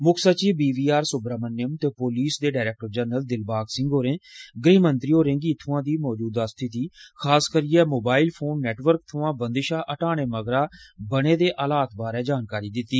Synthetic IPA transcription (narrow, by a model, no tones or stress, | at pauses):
mʊkʰsət͡ʃiːbiːʋiːaːɾsʊbɾaːmənːɪjəmt̪eːpoːliːsd̪eːɖaːɾɛːk̚ʈəɾd͡ʒəːɾnəld̪ɪlbaːksɪ̃ŋɡoːɾẽːɡɾeːmənt̪ɾiːoːɾẽːŋɡiːt̪ʰʊãːd̪iːmɔːd͡ʒuːd̪aːst̪ʰɪt̪iːkʰaːskəɾiːɛːmoːbaːilpʰoːnːɛːʈʋəɾk̚t̪ʰʊãːbənd̪ɪʃaːʔəʈaːɽ̃eːməɡɾaːbəɽeːd̪eːʔaːlaːt̪ʰbaːɾɛːd͡ʒaːnkaːɾiːd̪ɪt̪ːiː